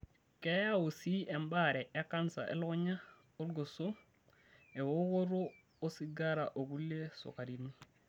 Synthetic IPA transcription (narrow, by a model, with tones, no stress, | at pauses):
kejawo˨si˦e˨mbaɾɛ˨ʔe˦kansa̰˨ʔḛ˦lɲa˦ | o˦lɡo˨so˦ | e˨woɡo˦ɾo˦ | o˦si˦ɡaɾaʔo˨ɡu˦le˦so̰˨ka˨ɾini˦